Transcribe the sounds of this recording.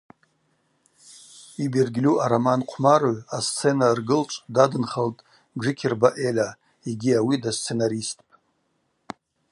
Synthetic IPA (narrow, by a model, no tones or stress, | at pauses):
ibirɡʲlʲuʔaɾamanqʷʰmaroast͡sʰenarɡɨlt͡ʃʷʼdadɨnχaltʼ | d͡ʒɨkʲʰɪrbaʔela | iɡʲiawidast͡sʰe̞naɾistʼpʼ